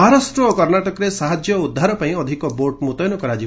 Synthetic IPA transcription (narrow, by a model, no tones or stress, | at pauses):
ɦaɾasʈɾɔokɔɾnaʈɔkɔɾesaɦad͡ʒjɔud̪ʱːaɾɔpaĩɔd̪ʱikɔboɾʈmut̪ɔjnɔkɔɾad͡ʒi